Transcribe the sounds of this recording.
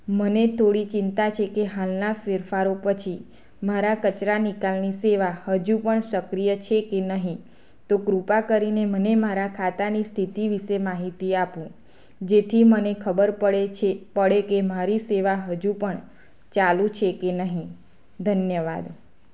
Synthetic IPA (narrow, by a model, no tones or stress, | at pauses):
mənet̪ʰoɽit͡ʃɪnt̪at͡ʃʰekeɦalnafɪɾfaɾopət͡ʃʰi | maɾakət͡ʃɾanikalniseʋahəd͡ʒupəɳsəkɾijət͡ʃʰekenəɦĩ | t̪okɾupakəɾinemənemaɾakʰat̪anist̪ʰit̪iʋiʃemaɦit̪iapũ | d͡ʒet̪ʰimənekʰəbəɾpəɭepəɽekemaɾiseʋaɦəd͡ʒupəɳ | t͡ʃalũt͡ʃʰekenəɦĩ | d̪ʱənjəʋa̰d̪